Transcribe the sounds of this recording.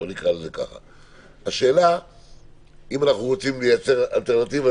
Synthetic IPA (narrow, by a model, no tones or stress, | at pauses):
onikʁalezeka̰χa̰ | haʃe̞ːla | imanaχnuʁot͡simlejat͡se̞ʁa̰lt̪eʁnat̪iva